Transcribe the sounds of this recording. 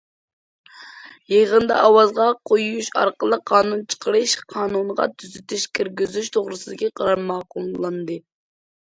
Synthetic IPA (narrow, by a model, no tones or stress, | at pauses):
jeʁənd̪ɑ̰ʔɑwɑzʁɑqʰojujuʃɑ̰ɾqəlˠəqʰːɑːnunt͡ʃʰə̥qʰəɾɨʃqʰɑːnunʁɑ̰t̪ʰyzyt̪ʰyʃkʲʰiɾɡʲyzyʃt̪ʰoʁɾɨsɨd̪ɪkʲiqʰɑɾɑmːɑqulˠlˠɑnd̪ɨ